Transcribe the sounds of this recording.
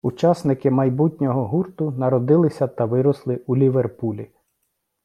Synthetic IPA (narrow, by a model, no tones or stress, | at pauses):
ut͡ʃɑsnɪkɪmɐjbutʲnʲɔɦɔɦurt̪ʊnɐɾɔd̪ɪlˠɪsʲɐt̪ɐʋɪɾɔslˠɪulʲiʋerpulʲi